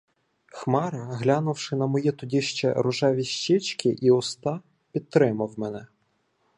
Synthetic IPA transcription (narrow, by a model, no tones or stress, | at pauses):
xmɑɾɐɦlʲɑnʊwʃɪnɐmɔjit̪ʊdʲiʃt͡ʃɛ̰ɾʊʒɑʋʲiʃt͡ʃɪt͡ʃkʲɪʔiɔst̪ɑ | pʲid̪̚t̪ːɾɪmɐwmɛnɛ